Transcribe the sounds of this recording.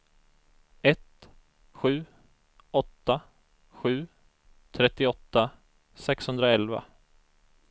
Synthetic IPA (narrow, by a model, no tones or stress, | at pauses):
ɛt̪ | ɧʉ̟ː | ɔt̪ːa | ɧʉ̟ː | t̪ʰɾɛt̪ːɪɔt̪ːa | sɛkshɵnd̪ɾaɛlva̰